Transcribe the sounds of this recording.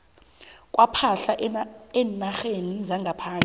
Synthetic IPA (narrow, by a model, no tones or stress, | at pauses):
kʼwʔapʰaɬaɛːnaxenizaŋɡʱapʰaːnʼi